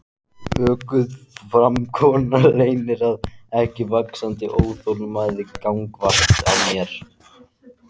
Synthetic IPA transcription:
œːkʏðfɾamkʰɔːnaleːjnɪɾaðɛhcɪvaksant̪ɪʔoːwθolmaːjðɪkawŋkvaht̪a̰wmjɛɾ̥

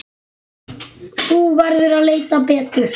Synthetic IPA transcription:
uːvaɾðʏɾaleːjt̪apɛːt̪ʏɾ̥

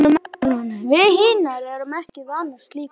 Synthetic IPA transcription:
ʏmnunːavɪðhɪːnaɾɛɾʏmɛhcɪvaːnast̪liːk

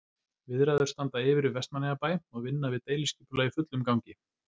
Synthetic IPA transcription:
vɪðɾajðʏ̥st̪ant̪aɪvɪɾɪvɛst̪manɪɣapaːjɔɣvɪnːavɪðt̪eːjlɪsciːpʏlaɣɪfʏt̪lʏmkawɲcɪ

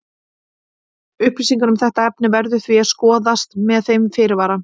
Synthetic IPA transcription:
ʏhpɾisiŋkʏnʏmθɛht̪aɛp̚nɪvɛɾðʏθviaðskɔːðast̪mɛðθejmfɪɾɪɾvaːɾa

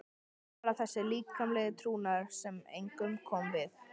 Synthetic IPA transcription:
ɾaθɛsːɪliːkʰːamlɛːɣɪt̪ʰɾuːnaɾ̥sɛmḛjŋkʏmkʰɔmvɪθ

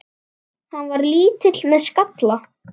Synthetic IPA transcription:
hanːvaɾliːt̪ɪt̪lmɛðskat̪la

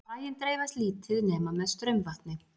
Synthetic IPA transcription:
aːjɪnt̪ɾeːjvast̪liːt̪ʰɪðneːmamɛðst̪ɾœɥmvaht̪nɪ

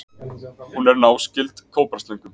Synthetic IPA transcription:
hunɛɾnaːwscɪlt̪kʰoːwpɾaɾst̪lejŋkʏm

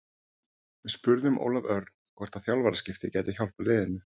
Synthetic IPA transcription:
vɪðspʏɾðʏmʔo̰ːwlavœɾt̪n̥kvɛɾ̥t̪aθjawlvaɾascɪft̪ɪcɛːt̪ɪçawl̥palɪːðɪnːʏ

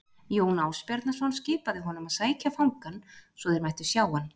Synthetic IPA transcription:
joːwnaːwspjɛɾt̪nasɔnscɪːpaðɪɦɔnʏmaðsaːjcafawŋkansvɔðɪɾmajht̪ʏ̥sjaːwan

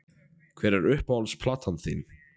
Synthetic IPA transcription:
kʰvɛːɾɛɾʏhpawlspʰlaːt̪ʰanθḭːn

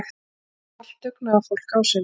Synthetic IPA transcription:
x | al̥t̪ʏknaafowl̥kawsɛ

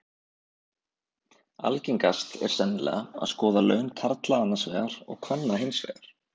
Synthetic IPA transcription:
a̰lciŋkast̪ɛ̰ɾ̥sɛnːlɛ̰aa̰ðskɔːðalœ̰ːɥnt̪ʰaɾt̪laanːasvɛːɣaɾ̥ɔ̰ɣkʰvœnːaɦɪnsvɛ̰ːɣaɾ̥

